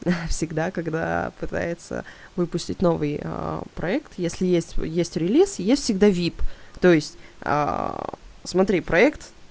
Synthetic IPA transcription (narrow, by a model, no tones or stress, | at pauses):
fsʲɪɡd̪akɐɡd̪a̰pɨt̪a̰jɪt̪sə̰ | vɨpʊsʲtʲɪtʲno̞vɨjə̰pɾɐɛkt̪jesʲlʲɪjesʲtʲjesʲtʲɾʲɪlʲisjesʲtʲfʲsʲɪɡd̪avʲipt̪o̞jɪsʲtʲə̰ | smɐt̪ɾʲipɾɐɛkt̪